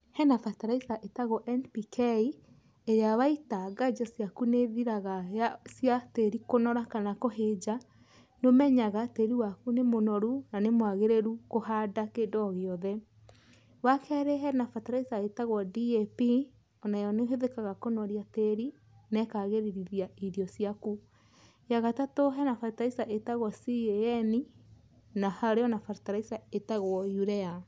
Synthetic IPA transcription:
hɛnafataɾaisaʔetaɣɔʔɛnpikʰei | eɾeawaitaɡad͡ʒasjakuneðiɾaɣaasjateɾikonɔɾakanakoɦed͡ʒa | nomɛɲaɣateɾiwakunemonɔɾunanemwaɣeɾeɾukohadakedɔɣeɔðɛ | wakʰɛɾɛɦɛnafataɾaisaetaɣwɔdiepi | ɔnajɔneɦeðekaɣakonɔɾjateɾi | nɛkaɣeɾiɾiðiaiðiɔsijaku | jaɣatatoɦɛnafaɾtisaʔetaɣwɔsieɛni | nahaɾeɔnafaɾtaɾaisaetaɣwɔjuɾɛa

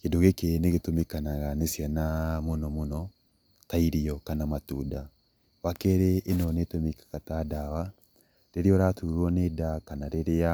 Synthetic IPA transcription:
kedoɣekeneɣetomekanaɣanesjanamonɔmonɔ | taiɾiɔkanamatuːda | βakeɾeʔːnɔnetomikḁkatadawa | ɾeɾeɔɾatuɾwɔnedakanaɾeɾea

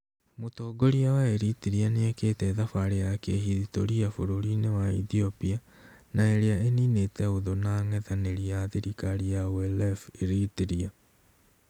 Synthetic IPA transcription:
motoːɡoɾiawaeɾitiɾianeekeːtɛðafaɾejakehiðitoɾiafoɾoɾinewaiθiopia | naeɾeaeninetɛoðonaːŋɛðaneɾiaðiɾikaɾiawɛlɛfeɾitiɾia

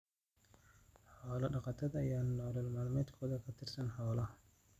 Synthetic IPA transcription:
ħɔːlɐɖɑqɑt̪ʰɐðɐjaːnɔːɾɐlmaːlmɛːd̪kʰɔːðɐkʰɐt̪ʰɪrsɐnħɔːlɐ

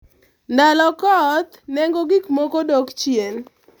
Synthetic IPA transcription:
ndalɔkɔt̪nɛŋɡoɡikmokodokt͡ʃjen

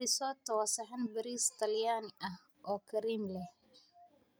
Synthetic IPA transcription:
ɪsɔːt̪ʰɐwɑsɐħɐnbɐɾiːst̪ʰɐljaːnɪʔɐh | ʔɔːkʰɐɾiːmlɛh

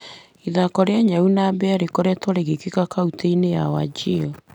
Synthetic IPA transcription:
iðakɔɾeaɲaunaːbɛaɾekɔɾɛtɔɾeɣekekakauteinejawa̰d͡ʒiɔ

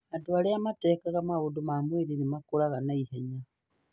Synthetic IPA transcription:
adwaleamate̞kaɣamaɣudumamwiɾinimakulaɣanaiheɲa

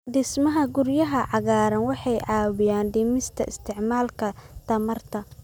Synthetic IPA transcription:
d̪ɪsmɐɦɐɡʊrjɐɦɐʕɑɣaːɾɐnwɑħɑjʕɑːβɪjaːnɖ̪ɪmɪst̪ʰɐ̰ʔɪst̪ʰɪʕmaːlkʰɐt̪ʰɐmɐrt̪ʰɐ

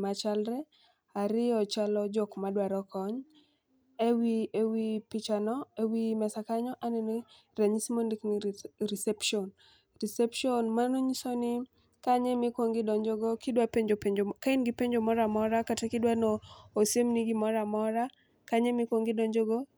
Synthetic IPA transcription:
mat͡ʃalɾɛ | aɾɪɔt͡ʃalɔd͡ʒɔkmadwaɾɔkɔɲ | ewiewipɪt͡ʃanɔewimɛsakaɲɔʔaneno | ɾaɲisimondikniɾisɛpʃɔn | ɾisɛpʃonmanoɲisonɪ | kaɲɛmɪkwoŋɡɪdɔɲd͡ʒɔɡɔkɪdwapeɲd͡ʒopeɲd͡ʒokainɡipeɲd͡ʒomɔɾamɔɾakatekɪdwanɔosjemniɡimɔɾamɔɾa | kaɲɛmɪkwoŋɡɪdɔɲd͡ʒoɡɔ

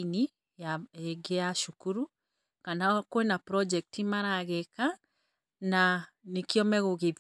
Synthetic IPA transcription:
ni | jaeɡeaʃukuɾu | kanakwenapɾɔd͡ʒɛk̚timaɾaɣɛka | na | nekiɔmɛɣoɣe

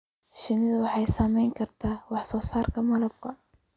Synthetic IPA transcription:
ʃɪnɪðɐwɑħɑjsɐmɛjŋkʰɐrt̪ʰaːwɑħsɔːsaːrkʰɐmɐlɐb̚kʰɐ

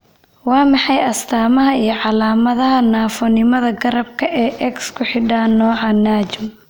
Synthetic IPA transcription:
wɑːmɑħɑjɐst̪ʰaːmɐɦɐijɞʕɑlaːmɐðɐɦɐnaːfɔnɪmɐðɐɡɐɾɐb̚kʰɐʔɛːʔɛkskʰʊħɪɖaːnɔːʕɑnaːt͡ʃɪm

